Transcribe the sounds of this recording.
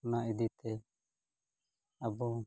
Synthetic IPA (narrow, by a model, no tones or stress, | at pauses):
naid̪it̪ɛ | əbɔ